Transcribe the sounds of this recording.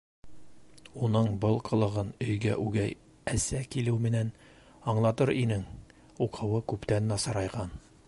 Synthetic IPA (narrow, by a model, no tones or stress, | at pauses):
unɤɴbɤlˠqʰɤ̆lˠɤ̆ʁɤnɵ̆jɡæ̰ʔʉɡæj | æsækilɘwmɘ̆næn | ɑɴlˠɑt̪ɤɾinɘŋ | uqʰɤ̆wɤkʉpt̪ænːɑsɑɾɑjʁɑn